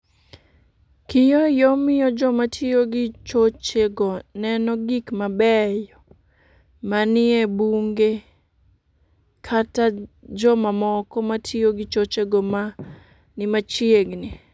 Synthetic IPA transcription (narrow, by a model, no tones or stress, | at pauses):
kɪjojomɪjɔd͡ʒɔmatʰioɡɪt͡ʃot͡ʃeɡɔnɛnɔɡikmabɛjɔ | manɪebuŋɡe | kʰatad͡ʒɔmamɔkɔmatʰioɡɪt͡ʃot͡ʃeɡɔma | nɪmat͡ʃieɡnɪ